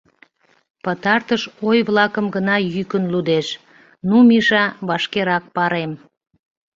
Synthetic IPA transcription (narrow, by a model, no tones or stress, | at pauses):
pət̪ɑrt̪əʃojβlɑkəmɡənɑjykənlud̪eʃ | numiʃɑβɑʃkeɾɑk̚pɑɾem